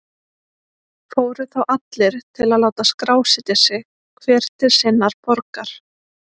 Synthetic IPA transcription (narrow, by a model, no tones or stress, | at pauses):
foːwɾʏθawʔat̪lɪɾ̥t̪ʰɪlaðlaːwt̪askɾaːwsɪt̪ɪsɪ | kʰvɛːɾ̥t̪ʰɪɾ̥sɪnːaɾ̥pɔɾkaɾ̥